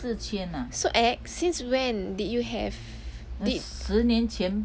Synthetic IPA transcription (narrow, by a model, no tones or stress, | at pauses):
t͡ʃʰjɛnasoʔɛk̚sĩnswɛ̃nditjuɦɛ̰v | is̩njɛnt͡ʃʰjɛn